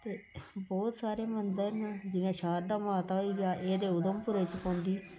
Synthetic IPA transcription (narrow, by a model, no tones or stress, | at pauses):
t̪eːbɔːt̪saːɾeːmənd̪əɾnd͡ʒɪjãːʃaːɾd̪aːmaːt̪aːɦoiːɡaːʔeːd̪eːʊd̪əmpʊɾeːt͡ʃpõːnd̪iː